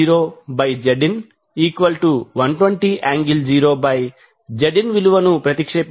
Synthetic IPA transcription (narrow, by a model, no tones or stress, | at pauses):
iːɾoːbɐjd͡ʒɐɖin | iːkʋɐlʈuʋɐnʈʋɐɳʈiːʔaːŋɡild͡ʒiːɾoːbɐj | d͡ʒɐɖinʋiluʋɐnupɾɐt̪ikʂep